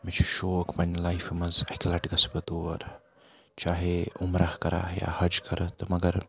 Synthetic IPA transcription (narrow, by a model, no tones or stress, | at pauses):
mit͡ʃʰuʃoːkpɐnʲlajfmɐzɐkʲlɐʈɡɐsbət̪oʋɐ̰ɾ | t͡ʃaːɦeumɾʔahkɐɾa̰ja̰hɐd͡ʒkɐɾət̪mɐɡəɾ